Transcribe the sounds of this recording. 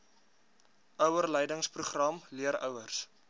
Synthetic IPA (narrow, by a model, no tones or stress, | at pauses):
œwərlɛjdəŋspruχrɐmliəɾœwərs